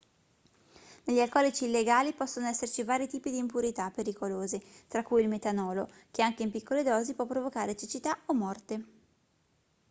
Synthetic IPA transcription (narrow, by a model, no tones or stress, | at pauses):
neʎːialkɔːlit͡ʃiːlːeɡaːlipɔsːonoɛsːert͡ʃivaːɾit̪iːpid̪iːmpuɾit̪apeɾikoloːzet̪ɾakːujilmet̪anɔːlokeaŋk̟eimpikːoled̪ɔːzipwɔpːɾovokaːɾet͡ʃit͡ʃit̪aomːɔrt̪e